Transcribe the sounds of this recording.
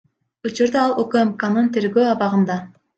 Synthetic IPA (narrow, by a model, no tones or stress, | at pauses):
ut͡ʃuɾd̪ɑɑlˠøkemkanɯnt̪ʰe̞ɾɡøːɑβɑʁɯnd̪ɑ